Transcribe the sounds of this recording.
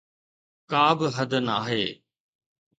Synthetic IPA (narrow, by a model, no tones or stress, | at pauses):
kaːbɪɦɐd̪naːɦeː